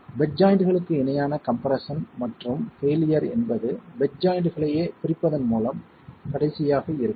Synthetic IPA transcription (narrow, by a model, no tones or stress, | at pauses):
bɛd͡ʒaːjɪɳɖɯɣɐɭɯkːɯɪnɐjaːnɐkɐmpɐɾɐsɐnmɐʈrɯmfeːlɪjɐɾɛ̰nbɐðɯbɛd͡ʒaːjɪɳɖɯɣɐɭɐjeːpɪɾɪpːɐðɐnmuːlɐm | kɐɽɐɪsɪjaːɣɐɪɾɯkː